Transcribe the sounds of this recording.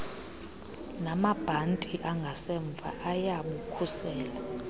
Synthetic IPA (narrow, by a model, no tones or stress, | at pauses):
namab̥ʱantʼiʔaŋɡʱasɛɱb̪vʱa̰ʔajaɓukʰusɛːla